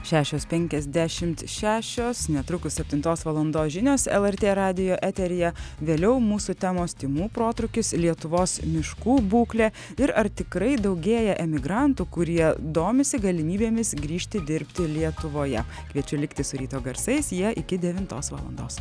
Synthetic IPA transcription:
ʃʲæːʃʲoːspʲɛŋʲkʲɛzʲd̪ʲæʃʲɪmt̪ʃʲæːʃʲoːsnʲɛt̪ɾʊkʊssʲɛpʲt̪ʲɪnt̪oːsʋɐlˠɐnd̪oːsʒʲɪnʲoːsɛ̰lˠɛɾʲt̪ʲeːɾɑːd̪ʲɪjoːʔɛːt̪ʲɛɾʲɪjɛʋʲeːlʲɛʊmuːsʊt̪ʲæːmoːst̪ʲɪmuːpɾoːt̪ɾʊkʲɪslʲiɛt̪ʊʋoːsmʲɪʃkuːbuːklʲeː | ɪɾɐɾt̪ʲɪkɾɐɪd̪ɒʊɡʲeːjɛʔɛmʲɪɡɾɑnt̪uːkʊɾʲiɛd̪oːmʲɪsʲɪɡɐlʲɪmʲiːbʲeːmʲɪsɡɾʲiːʃʲt̪ʲɪd̪ʲɪɾʲpʲt̪ʲɪlʲiɛt̪ʊʋoːjɛ | kʋʲiɛt͡ʃʲʊlʲɪkt̪ʲɪsʊɾʲiːt̪oːɡɐɾsɐɪsjiɛʔɪkʲɪd̪ʲɛʋʲɪnt̪o̰ːsʋɐ̰ːlˠɐ̰nd̪o̰ːs

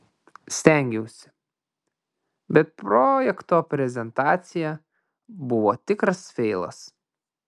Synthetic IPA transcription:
sʲt̪ʲɛŋʲɡʲɛʊsʲɪ̥ | bʲɛt̪̚pɾoːjɛkt̪oːpʲɾʲɛzʲɛnt̪ɑːt̪sʲɪjɛ | bʊʋo̰ːt̪ʲɪkɾɐsfʲɛɪlˠɐ̰s

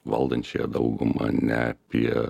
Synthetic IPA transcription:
ʋɐlˠd̪ɐnʲt͡ʃʲejɛd̪ɐʊɡʊmɐnʲɛɐpʲiɛ

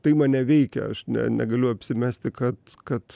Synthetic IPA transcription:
t̪ɐɪmɐnʲɛʋʲɛɪkʲɛ̰ɐʃnʲɛ̰nʲɛ̰ɡɐlʲʊɐpʲsʲɪmʲæsʲt̪ʲɪkɐt̪kɐt̪

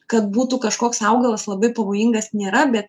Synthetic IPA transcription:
kɐt̪̚buːt̪ukɐʃkoːksɐʊɡɐlˠɐslˠɐbɐɪpɐʋoːjɪŋɡɐsnʲeːɾɐbʲɛt̪

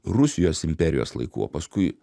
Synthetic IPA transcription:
ɾʊsʲɪjoːsɪmʲpʲɛɾʲɪjo̰ːslˠɐ̰ɪkṵːo̰ːpɐskʊɪ

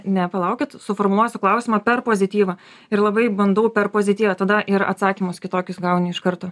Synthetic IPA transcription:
nʲɛpɐlˠɐʊkʲɪt̪sʊfoːrmʊlˠuɔsʲʊklˠɐʊsʲɪmɐpʲɛrpoːzʲɪt̪ʲiːʋɐ | ɪɾlˠɐbɐɪbɐnd̪ɐʊpʲɛrpoːzʲɪt̪ʲiːʋɐt̪ɐd̪ɐʔɪɾɐ̰t̪sɑːkʲimʊskʲɪt̪oːkʲʊsɡɐʊnʲɪɪʃkɐɾt̪oː

